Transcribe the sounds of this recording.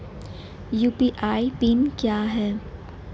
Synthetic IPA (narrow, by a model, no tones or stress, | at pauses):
juːpiʔaːipinkjaːɦɛː